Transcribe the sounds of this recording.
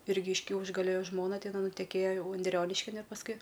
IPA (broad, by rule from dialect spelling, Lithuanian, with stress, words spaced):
ˈɪrʲɡʲɪ ɪʃ ˈkʲɛʊʒɡɐlʲoː ˈjoː ˈʒmoːnɐ tʲɛˈnɐɪ nʊtʲɛˈkʲeːjoː ˈjɛʊ ʊnʲˈdʲrʲoːnʲɪʃʲkʲɪn ɪr pɐsˈkʊɪ